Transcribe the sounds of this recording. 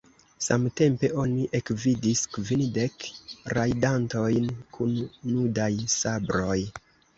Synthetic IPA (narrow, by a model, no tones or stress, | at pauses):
samte̞mpe̞ʔo̞niʔe̞kvidiskvinde̞kɾajdanto̞jnkʰunːudajsabɾo̞j